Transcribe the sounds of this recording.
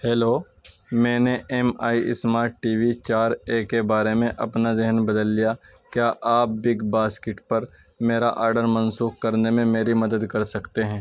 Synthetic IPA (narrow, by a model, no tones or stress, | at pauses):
hɛːloː | mɛ̃ːneʔemaːiʔɪ̰smaːɾʈːiːʋit͡ʃaːɾeːkebaːɾemẽʔɐpnazɪɦənbɐd̪əlːija | kjaːʔaːp̚bɪɡbaːskɪʈpɐɾ | meːɾaʔaːɾɖəɾmɐnsuːxkɐɾnemẽmeːɾimɐd̪əd̪kɐɾsɐkt̪eɦɛ̃ː